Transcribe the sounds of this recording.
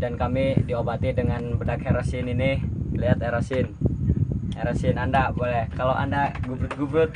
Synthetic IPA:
dankamidiobat̪idəŋanbədakheɾasɪninɪliat̪eɾasɪn | eɾasɪnandabolɛhkalowʔa̰ndaɡubɾʊt̪̚ɡubɾʊt̪̚

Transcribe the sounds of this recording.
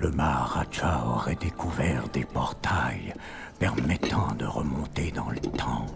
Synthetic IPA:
ləmaʁat͡ʃaɔʁɛd̪ekʰuvɛʁd̪epɔʁt̪ʰaj | pɛʁmɛt̪ʰɑ̃d̪əʁəmɔ̃t̪ed̪ɑ̃lət̪ʰɑ̃

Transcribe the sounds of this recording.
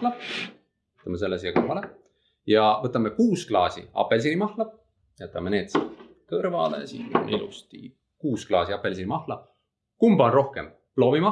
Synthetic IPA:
lɑ | ɤt̪ːˑɑmese̞lːesijɑkɤrvɑle | jɑvɤt̪ːˑɑmekuːsklɑːsḭɑ̰pːˑe̞ls̬iɾimɑhlɑ | jæt̪ːˑɑmene̞ːt̪sit̪ | kɤrvɑ̰lḛsḭt̪ːo̰nilṵst̪i | kuːsklɑːsiɑpˑe̞lsinimɑhlɑ | kumb̥ɑonro̞hke̞m | plo̞ːvimɑ

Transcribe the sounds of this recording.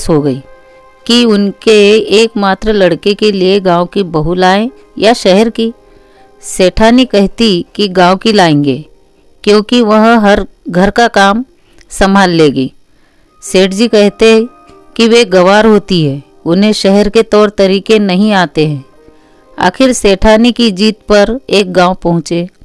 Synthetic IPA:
sɦoɡɐiː | kiʊnkeːkmaːt̪ɾəlɐɽkekelieɡãːõkibɐɦulaːẽ | jaʃɛɦɛɾki | seːʈʰaːnikɛɦt̪ikiɡãːõkilaːẽːŋɡeː | kjõːkiʋɐɦɦɐɾɡʱɐɾkakaːm | sɐmaːlːeːɡiː | seːʈd͡ʒikɛɦt̪eɦɛ | kiʋeɡɐʋaːɾɦoːt̪iɦɛː | ʊnɦẽʃɛɦɛɾket̪ɔːɾt̪ɐɾiːkenɐɦĩaːt̪eɦɛ̃ː | a̰ːxʰɪɾseːʈʰaːnikid͡ʒiːt̪̚pɐɾeːk̚ɡãːopɐɦʊ̃t͡ʃeː

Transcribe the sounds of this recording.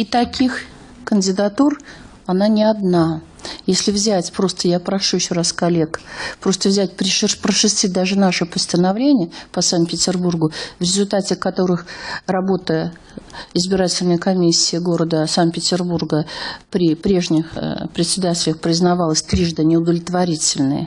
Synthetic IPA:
it̪ɐkʲʰix | kənʲdʲɪd̪ɐt̪ur | ɐnanʲɪɐd̪na | jesʲlʲɪvzʲætʲpɾo̞st̪əjapɾɐʂujɪɕːoraskɐlʲe̞kpɾo̞st̪əvzʲætʲpɾʲpɾəʂɨsʲt̪ʲit̚ʲd̪aʐɨnaʂɨpəst̪ənɐvlʲenʲɪjəpəsantpʲɪtʲɪrburɡʊvɾʲɪzʊlʲt̪atʲɪkɐt̪o̞ɾɨxrɐbo̞t̪ə | ɪzbʲɪɾatʲɪlʲnəjkɐmʲisʲːɪːɡo̞ɾəd̪əsant̪̚pʲɪtʲɪrburɡəpɾʲɪpɾʲe̞ʐnʲɪxpɾʲɪtʲsʲɪd̪atʲɪlʲəxpɾʲɪznɐvalˠəsʲt̪ɾʲiʐd̪ənʲɪʊd̪əvlʲɪt̪vɐɾʲitʲɪlʲnɨ̰jə̰

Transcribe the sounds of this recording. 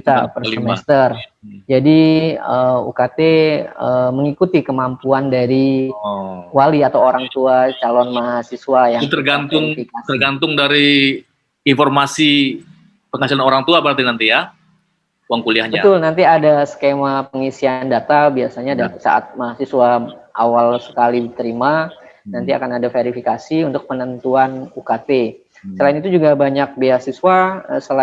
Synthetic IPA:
it̪apərsəmɛst̪ərd͡ʒadiəṵkat̪eəməŋikut̪ikəmampuandaɾi | waliat̪awoɾaŋt̪uat͡ʃalɔnmaɦasisuwajaŋt̪ərɡant̪ʊŋikat̪ərɡant̪ʊŋdaɾi | informasi | pəŋasilanoɾaŋt̪uabəɾart̪inant̪ija | waŋkuliahɲbat̪ʊlnant̪iadasə̥kemapəŋisiandat̪abiasaɲadasa̰ʔa̰t̪̚maɦasiswaʔa̰walsə̥kaliit̪əɾimanant̪ia̰kanadafeɾifikasiunt̪ʊk̚pənənt̪uanukat̪e | səlaɪnit̪ud͡ʒuɡabaɲak̚beahsisuaəsəla

